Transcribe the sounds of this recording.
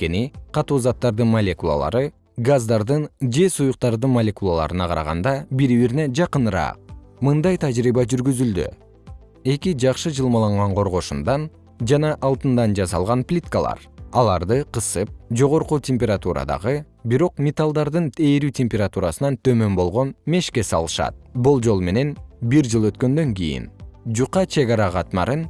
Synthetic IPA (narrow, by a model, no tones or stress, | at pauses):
nke̞niqʰɑt̪uːzɑt̪ːɑɾd̪ɯnmɐlʲe̞kulˠa̰lˠɑ̰ɾɯ | ɡazd̪ɑɾd̪ɯnd͡ʒe̞sujuq̚t̪ɑɾd̪ɯnmɐlʲe̞kulˠalˠɑ̰ɾɯnɑqʰɑɾɑ̰ʁɑ̰nd̪ɑbiɾiβiɾne̞d͡ʒɑqɯnɾɑ̰ːq̚mɯnd̪ɑjt̪ʰad͡ʒɾiːbɑd͡ʒyɾɡyzyld̪y̰ | e̞kid͡ʒɑqʃɯd͡ʒɯlˠmɑlˠɑɴʁɑɴqʰo̞ɾʁo̞ʃund̪ɑn | d͡ʒɑnɑʔɑlˠt̪ɯnd̪ɑnd͡ʒɑsɑ̰lˠʁɑnplʲit̪kalˠɑ̰ɾ | ɑlˠɑɾd̪ɯqɯsɯp̚d͡ʒo̞ʁo̞ɾqutʲʰempʲeɾat̪uɾɑ̰d̪ɑ̰ʁɯ | biɾo̞qmʲet̪alˠd̪ɑɾd̪ɯnt̪ʰe̞ːɾyːtʲempʲeɾat̪uɾasɯnɑnt̪ʰø̞mø̞mbo̞lˠʁo̞nme̞ʃke̞sɑ̰lˠɯʃɑ̰t̪̚bulˠd͡ʒo̞lˠme̞ne̞nbiɾd͡ʒɯlˠø̞t̪kø̞nd̪ø̞ŋɡḭjḭnd͡ʒuqɑt͡ʃʰe̞ɡɑɾɑʁɑt̪mɑ̰ɾɯn